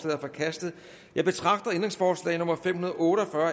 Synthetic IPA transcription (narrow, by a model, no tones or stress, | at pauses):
lɛ̰ːðˠɐfɒkʰæsd̥ð̩ˠ | jɑ̈ɪb̥e̝t͡sʰʁɑ̈ɡ̥d̥ɐend̥ʁeŋsfɒːslɛ̰ɪnɔ̽mɐfemhunɐðˠɔ̽ːɾ̥ɒfɶɐ